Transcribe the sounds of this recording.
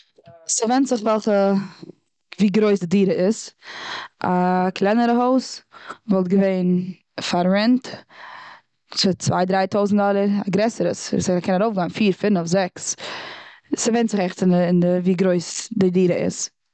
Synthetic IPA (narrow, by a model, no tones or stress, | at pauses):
səvɛntz̥ɪχvɛlˠχə | viːɡɾoɪsdɪdiːɾəɪs | ʔakʰlˠɛnəɾəɦoʊsvɔlˠtɡəveɪn | faɾɾɛnt | t͡sʊt͡sva̰ɪdɾaɪtʰoʊzn̩dɔlˠəɾaɡɾɛsəɾəsskʰɛnaɾoʊfɡaɪnfiːɾfɪnɔfzɛks | səvɛɪntz̥ɪχɛχtɪnəɪndəviːɡɾoɪsdɪdiːɾəɪ̰s